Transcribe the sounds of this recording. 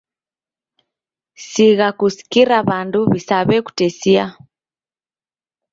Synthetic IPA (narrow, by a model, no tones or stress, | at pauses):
siɣakusi̥kiɾaβanduβisaβɛku̥tɛsia